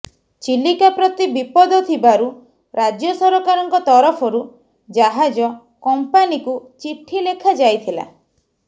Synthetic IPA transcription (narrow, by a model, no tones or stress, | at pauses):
t͡ʃilːikapɾɔt̪ibipɔd̪ɔt̪ʰibaɾu | ɾad͡ʒjɔsɔɾɔkaɾɔŋkɔt̪ɔɾɔpʰɔɾu | d͡ʒaɦad͡ʒɔ | kɔmpanikut͡ʃiʈʰilekʰad͡ʒajt̪ʰila̰